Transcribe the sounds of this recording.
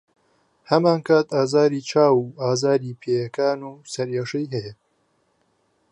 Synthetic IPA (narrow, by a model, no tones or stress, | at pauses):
hɐmaːnkʰaːt̪aːzaːɾiːt͡ʃʰaːwuːʔaːzaːɾiːpʰeːjɐkaːnuːsɐɾjeʃejɦɛje